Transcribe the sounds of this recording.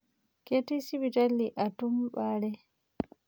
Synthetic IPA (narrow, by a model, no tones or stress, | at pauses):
ketisibitalːiʔatumɓaːɾɛ